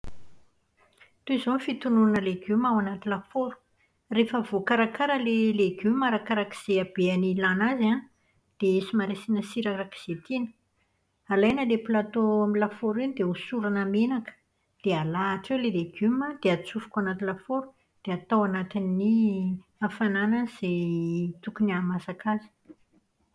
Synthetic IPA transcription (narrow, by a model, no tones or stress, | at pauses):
t̪uizonfit̪unuanəleɡumawanat̪ilafoɾu̥ | refəvokaɾakaɾəleleɡymaɾakaɾaki̥z̥eab̥eanilanaza | d̪̥eesimaɾasinəsiɾaɾaki̥z̥et̪inə̥ | alajnəleplat̪oamilafoɾinid̪eusuɾanamenakə̥ | d̪̥ealaːʈ͡ʂewleleɡ̥yməd̪̥eat͡sufu̥kʲanat̪ilafoɾu̥ | d̪̥eat̪awanat̪inːi | afananəz̥et̪ukuniamasakazi̥